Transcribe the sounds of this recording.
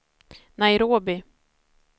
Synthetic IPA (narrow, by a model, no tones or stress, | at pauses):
najɾoːbɪ